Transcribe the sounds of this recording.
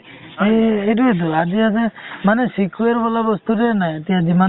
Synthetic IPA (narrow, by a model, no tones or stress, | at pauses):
eedued̪uad͡ʒiasemanesikʰweɾbɔlabɔst̪uɾanajt̪ijad͡ʒima